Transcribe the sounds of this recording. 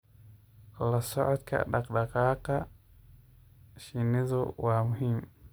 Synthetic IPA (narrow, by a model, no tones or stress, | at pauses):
lasoat̪ka̰ɗakɗakaka | ʃinizo̰wamuɦim